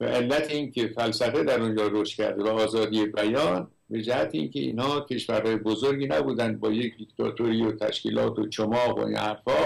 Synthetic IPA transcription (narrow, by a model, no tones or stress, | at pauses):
væ̰ʔelːæt̪ʰeinkʰe̞fælsæfe̞d̪æɾond͡ʒɒːɾoʃt̪̚kʰʲæ̰ɾd̪evæɒːzɒːd̪ije̞bæjɒːn | be̞d͡ʒæhæt̪ʰeḭnkʲʰe̞ḭːnhɒːkʰe̞ʃvæɾhɒːjebozoɾɡʲiːnæbuːd̪ænd̪̚bɒːje̞kʰd̪ikt̪ʰɒ̰ːt̪ʰoɾijot̪ʰæ̰ʃkḭːlɒːt̪ʰot͡ʃʰomɒːɣo̰ḭnʔæ̰ɾfɒː